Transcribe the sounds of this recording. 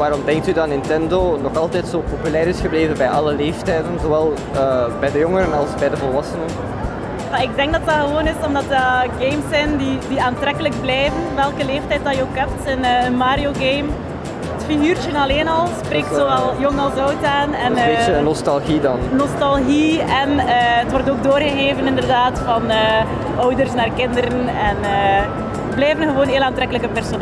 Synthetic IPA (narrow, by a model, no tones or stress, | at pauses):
ʋaːɾɔmdɛŋk̚tydɑnɪntɛndonɔxɑlˠtɛːtsoːpopylɛːɾɪsxəbleːvənbɛjʔɑləleːftɛːdənzoːʋɛlˠ | əːbɛjdəjɔŋəɾənɑlˠsbɛjdəvɔlˠʋɑsənən | jaɪɡ̚dɛŋɡdɑtɑɣəʋoːnɪsɔmdɑtəɡejmsːɛjndidiaːntɾɛkələɡ̚blɛjvənʋɛlˠkəleːftɛjt̚dɑjəokɛp̚tənəənmaːɾijoɡejm | ətfiɣyːrtənɑleːnɑlˠspreːk̚tsoʋɛlˠjɔŋɑlˠsɔwtaːnɛneənɔstɑlˠɣidɑnnɔstɑlˠɣiɛnəːətʋɔrtoːɡ̚doːrɣəɣeːvənɪndərdaːtfɑnəː | ɔwdərsnaːrkɪndəɾən | ɛnəː | blɛjvənɣəʋoːnɦeːlaːntɾɛkələkəpɛrson